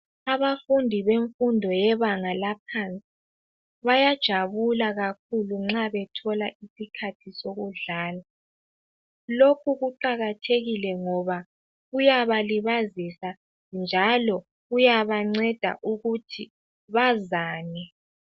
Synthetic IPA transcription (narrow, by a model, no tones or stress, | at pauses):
aβafundʱiβeɱfundʱɔjɛβaŋalap̚ʰant͡sʼi | βajad̥ʒ̥ʱaβulaɣakʰuluŋ͡ǁaβɛtʰɔlaʔisikʰatʰisoɣuɮaːla | lokʰuɣuǃaɣatʰeɣilɛŋɔβa | ɣujaβaliβazisa | nd͡ʒʱalɔ | ɣujaβaŋ͡ǀɛd̥ʱa̰ʔuɣutʰi | βazaːnɛ